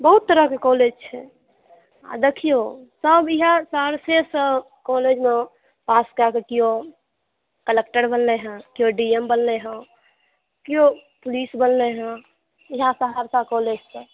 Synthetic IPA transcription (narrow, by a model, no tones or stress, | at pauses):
bəɦut̪ːəɾəkekoled͡ʒt͡ʃʰɛ | a̰d̪ekʰijosəbɪɦãsaɾsesə | koled͡ʒme | paskakekijo | kəlek̚ʈəɾbənleɦə̃kijoɖiembəlleɦə̃ | kijopʊliːsbənleɦɛ̃ | ɪɦãsəɦaɾsakoled͡ʒse